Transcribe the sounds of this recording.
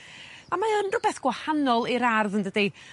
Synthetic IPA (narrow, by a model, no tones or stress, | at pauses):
amaənrʊbɛθɡ̥wahanɔlˠiɾarðəndədi